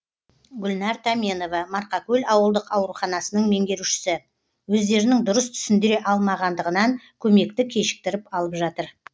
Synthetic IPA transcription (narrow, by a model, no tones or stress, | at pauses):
ɡʲʏlnɑɾt̪ʰameno̞vɑmɑɾqɑkʲʰɵlʲɑwəlˠd̪əqɑwɾuχɑnɑsənəɴme̞ŋɡʲe̞ɾuʃɪ̥sɪ | wɵzd̪e̞ɾɪnɪŋd̪ʊɾəst̪ʰʏ̥sɪnd̪ɪɾe̞ʔɑlˠmɑʁɑnd̪əʁənɑŋkʲʰɵme̞kt̪ɪkʲʰe̞ʃɪ̥k̚t̪ɪɾɪpɑlˠəpʒɑt̪əɾ